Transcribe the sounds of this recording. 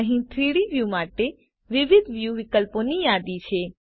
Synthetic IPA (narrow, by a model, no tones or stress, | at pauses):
əɦĩt̪ʰɾiːɽiʋjumaːʈe | ʋɪʋɪd̪ʱʋjuʋɪkəlponijaːd̪it͡ʃʰeː